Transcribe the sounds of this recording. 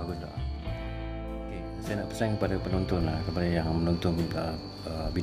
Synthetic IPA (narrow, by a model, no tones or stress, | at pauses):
aɡʊsd̪ɔ̰ʔ | oke | sajanaʔpərsɛŋkəpadapənɔnt̪ʊnlahkəmpalijaŋmənɔnt̪ɔnə | əbi